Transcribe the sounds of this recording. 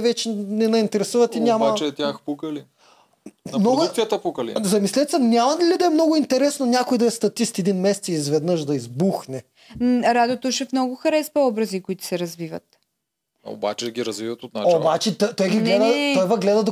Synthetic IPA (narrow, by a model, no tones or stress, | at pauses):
vɛt͡ʃɛnɛnɐint̪ɛɾɛsuvɐt̪inʲamat͡ʃɛt̪ʲjaxpukəli | nmnɔɡ̪jɐt̪ɐpokɐlḭzɐmislʲɛt̪sɛnʲamɐnlʲid̪ɐɛmnoɡʊint̪ɛɾɛsnonʲjakojd̪ɐɛst̪ɐt̪ist̪ɛd̪inmɛsɛt̪sɛizvɛd̪nɤʃd̪ɐizbuxnɛ | ɾad̪ot̪oʃɛfnɔɡʊxɐɾɛsvɐɔbɾɐzikʊit̪ʊ̥sɛɾɐzvivə̰t̪ | o̰ba̰t͡ʃɛd̪ɐɡʲiɾɐzvivɐt̪ot̪̚naobat͡ʃɛt̪t̪ɔjɡʲinɡlɛd̪ɐt̪ɔjvɐɡlɛd̪ɐd̪o